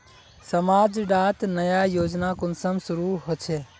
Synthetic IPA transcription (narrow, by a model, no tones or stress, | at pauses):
səmaːd͡ʒɖaːt̪nəjajoːd͡ʒnakʊnsəmsʊɾuɦoːt͡ʃʰe